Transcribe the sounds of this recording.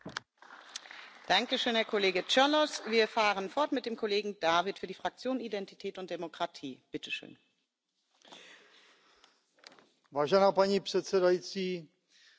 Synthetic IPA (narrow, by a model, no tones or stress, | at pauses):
d̥aŋkəʃøːnhɛːɐkʰoleːɡət͡ʃɛlɔsv̥iːɐfaːʁənfɔɐtmɪt̚d̥eːmkʰoleːɡŋ̩d̥aːvɪtfyːɐdiːfʁ̥ak̚t͡sjoːnidɛntitʰɛːtʊnt̚d̥emokʁ̥atʰiːb̥ɪtʰəʃø̰ːn | vaːʒɛnaːpaɲipr̥ɛt̪t͡sɛdajit͡siː